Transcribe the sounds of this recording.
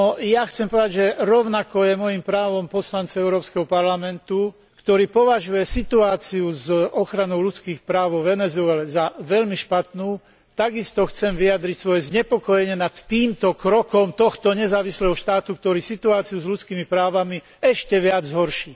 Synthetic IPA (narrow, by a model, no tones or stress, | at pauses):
nɔjaxt͡sɛmpɔʋɛd̪aɟʒɛɾɔʊnakɔjɛmɔjimpɾaːʋɔmpɔslant͡saɛʊɾɔːpskɛɦɔpaɾlamɛnt̪u | kt̪ɔɾiːpɔʋaʒujɛsit̪uaːt͡siuzɔxɾanɔʊlut͡skiːxpɾaːʋʋɛnɛzʊɛlɛzaʋɛʎmiʃpat̪nuː | t̪aɡist̪ɔxt͡sɛmʋijad̪ɾicsʋɔjɛzɲɛpɔkɔjɛɲɪɛnat̪ːiːmt̪ɔkɾɔkɔmt̪ɔxt̪ɔɲɛzaːʋislɛːɦɔʃt̪aːt̪ukt̪ɔɾiːsit̪uaːt͡siuzʎut͡skiːmipɾaːʋami | ɛʃcɛʋɪad͡zzɦɔɾʃiː